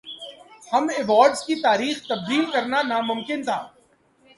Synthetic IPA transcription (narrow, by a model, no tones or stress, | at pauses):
hɐmɪʋaːɾɖzkit̪aːɾiːxt̪ɐb̚d̪iːlkɐɾnanamʊmkɪnt̪ʰaː